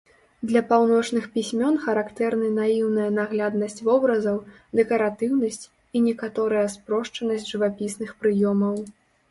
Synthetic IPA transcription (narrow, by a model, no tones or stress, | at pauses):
d̪lʲɐpawn̪ɔt͡ʂnɨxpʲisʲmʲɔnxɐɾakt̪ɛrnɨnajiwnɐjɐnaɣlʲad̪nɐsʲt͡sʲvɔbɾɐzɐw | d̪ɛkɐɾat̪ɨwnɐsʲt͡sʲ | inʲɛkat̪ɔɾɐjɐspɾɔʂt͡ʂɐnɐsʲd͡zʲʐɨvapʲisnɨxpɾɨjɔmɐw